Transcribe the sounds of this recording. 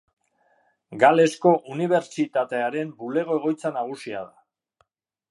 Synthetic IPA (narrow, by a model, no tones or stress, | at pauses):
ɡale̞sko̞ʔuniβ̞e̞ɾt͡ʃit̪at̪e̞aɾe̞mbule̞ɣ̞o̞e̞ɣ̞o̞jt͡sanaɣ̞usia̰ð̞a̰